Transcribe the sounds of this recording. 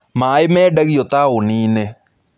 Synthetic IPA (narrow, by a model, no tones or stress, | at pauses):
maɪmɛːdaɣijot̪aoniːne